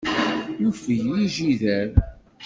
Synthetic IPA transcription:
jufəjjiʒiðəɾ

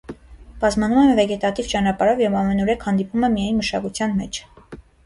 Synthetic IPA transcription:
b̥ɑzmɑnumɛmvɛɡɛt̪ɑt̪ivt͡ʃɑnɑpɑɾɔvjɛvɑmɛnɔɾɛkʰhɑnd̪ipumɛmijɑjnməʃɑkut͡sʰjɑnmɛt͡ʃʰ

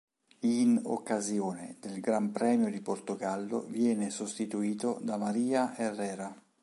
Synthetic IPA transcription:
ino̰kːazjoːned̪elɡɾampɾɛːmjod̪iport̪oɡalːo̰vjɛːnesost̪it̪uiːt̪od̪amaɾiːaʔerːɛːɾa

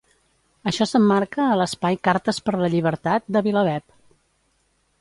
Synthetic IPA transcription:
əʃɔsəmːaɾkəːləspajkaɾt̪əspəɾləʎiβ̞əɾt̪at̪̚d̪əβiləβ̞ɛp̚

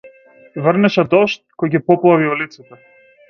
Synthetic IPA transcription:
vrnɛʃɛd̪ɔʃt̪̚kɔjɡipɔplˠaviɔlit̪sɛt̪ɛ

